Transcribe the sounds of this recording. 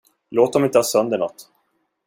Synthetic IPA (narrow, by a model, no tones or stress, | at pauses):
loːt̪̚d̪ɔmɪnt̪əhɑːsœnd̪əɳɔt̪ː